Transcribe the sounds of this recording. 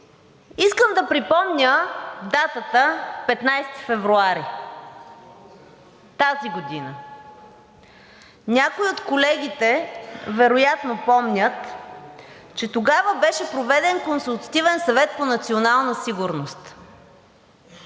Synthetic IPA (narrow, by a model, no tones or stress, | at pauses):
iskəmd̪ɐpɾipɔmnʲəd̪at̪ət̪əpɛt̪najsɛ̥t̪i̥fɛvɾuaɾi | t̪aziɡod̪inə | nʲakoiot̪kolɛɡ̟ʲit̪ɛvɛɾojat̪nopɔmnʲət̪ | t͡ʃɛt̪oɡavəbɛʃɛpɾovɛd̪ɛnkonsulˠt̪ɐ̥t̪ivɛnsɐvɛt̪̚ponɐt̪sionalˠnəsiɡʊɾnost̪